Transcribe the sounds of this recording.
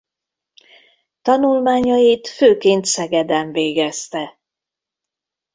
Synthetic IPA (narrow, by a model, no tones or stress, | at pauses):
t̪ɒnulmaːɲɒjit̪føːkeːnt̪sɛɡɛd̪ɛɱveːɡɛst̪ɛ